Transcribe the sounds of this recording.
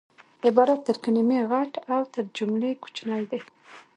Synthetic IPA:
ɪbɑɾat̪ːəɾkanimeɣaʈawt̪əɾd͡ʒumleku̥t͡ʃnajd̪ej

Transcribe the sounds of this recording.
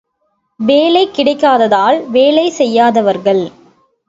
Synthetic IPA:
ʋeːlɐɪkːɪɽɐɪkːaːðɐðaːlʋeːlɐɪsɛjːaːðɐʋɐɾɣɐɭ

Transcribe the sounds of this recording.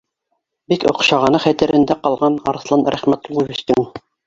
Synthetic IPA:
bikŏ̰qʃɑʁɑnɤχæt̪ɘ̆ɾʔɘ̆nd̪æqɑlˠʁɑnɑɾ̆θlˠɑnɾæ̰χmæt̪lˠɤβɘ̆ʃt̪ɘŋ

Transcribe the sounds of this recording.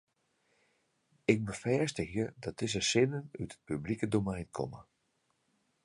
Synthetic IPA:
ɪk̚bəfɛːstəxjədɔt̚dɪs̬əsɪnənytə̥t̚pyblikədomɛjnkʰɔ̰mə̰

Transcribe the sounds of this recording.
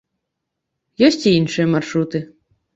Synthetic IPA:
jɔsʲt͡sʲiinʂɨjɛmarʂɾut̪ɨ

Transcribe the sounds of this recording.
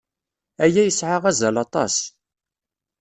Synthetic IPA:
æjæjəsʕaʁæzælɑt̪ˤɑ̰s

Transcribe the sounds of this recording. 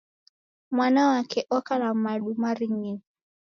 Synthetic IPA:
mwanawakɛʔɔkalamaɗumaɾiŋin

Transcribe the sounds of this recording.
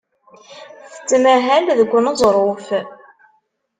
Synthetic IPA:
θə̥t͡sːmæɦælðəɡʷːənəzˤɾˤof

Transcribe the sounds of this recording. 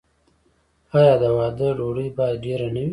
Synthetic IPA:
ɑjɑːd̪əwɑːd̪əɖoɽəjbɑjd̪ɖeɾanawi

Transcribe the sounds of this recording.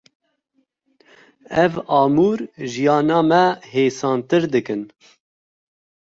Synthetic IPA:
ɛvɑːmuːɾʒijɑːnɑːmɛɦeːsɑːnt̪ɨɾd̪ɨkɨn

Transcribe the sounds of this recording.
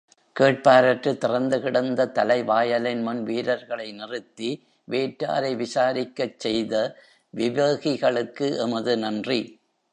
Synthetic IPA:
keːʈ̚paːɾɐʈrɯt̪ɪrɐnd̪ɯɣɪɽɐnd̪ɐt̪ɐlɐɪʋaːjɐlɐnmʊnʋiːlɐɾɣɐɭɐɪnɪrɯt̪ːi | ʋeːʈːa̰ːɾɐɪʋɪsaːɾɪkːɐt͡ʃːɛjðɐ | ʋɪʋeːɣɪɣɐɭɯkːɯʔɛmɐðɯnɐndri

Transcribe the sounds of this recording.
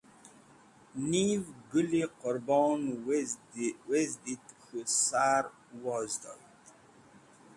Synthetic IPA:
nivɡuliqɔɾbɔnw | wezdit̪xusaɾ | wɔzdɔ̰t

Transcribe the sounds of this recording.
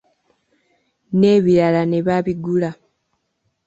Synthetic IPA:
ne̞ːβiɾalane̞βaβiɡula

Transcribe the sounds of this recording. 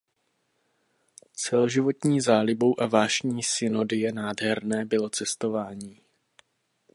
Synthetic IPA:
t͡sɛlo̞ʒɪvo̞t̪ɲiːzaːlɪbo̞wʔavaːʃɲiːsɪno̞dɪjɛnaːdɦɛɾnɛːbɪlo̞t͡sɛst̪o̞vaːɲiː

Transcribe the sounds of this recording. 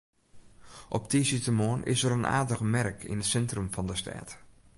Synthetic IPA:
ʔɔp̚tʰisitəmoənʔɪ̰səɾənʔa̰ːdəɣmɛrkʰɪ̰nətsɛntrəmfɔndəstʰɛ̰ːt

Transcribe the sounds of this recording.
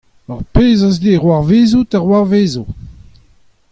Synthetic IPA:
aʁpeːzazdeʁwaʁveːzutaʁwaʁveːzu

